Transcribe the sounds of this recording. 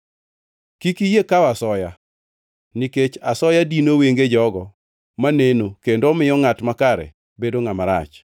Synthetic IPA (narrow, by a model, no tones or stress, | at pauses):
kikijekawasɔja | niket͡ʃasɔjadinoweŋɡed͡ʒɔɡɔ | manenokendomɪjɔŋatmakaɾɛ̰ | bedoŋamaɾa̰t͡ʃ